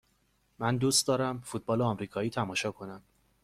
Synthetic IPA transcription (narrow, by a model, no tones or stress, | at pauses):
mænd̪ust̪d̪ɒːɾæmfut̪̚bɒːleɒːmɾiːkʰɒːiːt̪ʰæmɒːʃɒːkʰo̞næm